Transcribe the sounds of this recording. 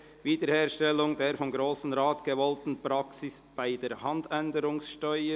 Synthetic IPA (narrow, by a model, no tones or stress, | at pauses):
viːdəɾheːʁʃtɛlʊŋdeːɾfɔmɡɾoːsn̩ʁaːtɡ̥əvɔltn̩pɾɑksɪsb̥aɪdeːɾhɑndɛndəɾʊŋsʃtœʏə